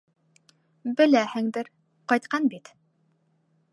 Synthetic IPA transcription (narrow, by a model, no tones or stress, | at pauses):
bɘ̆læhɘ̆ŋd̪ɘɾ | qɑjt̪̚qɑnbit̪